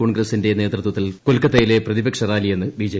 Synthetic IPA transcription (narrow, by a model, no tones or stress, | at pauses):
oːɳɡrɐsinde̞ne̞ːt̪rɨt̪wɐt̪ːilkolkɐt̪ːejile̞prɐðibɐkʂɐraːlije̞nːɨbiːd͡ʑe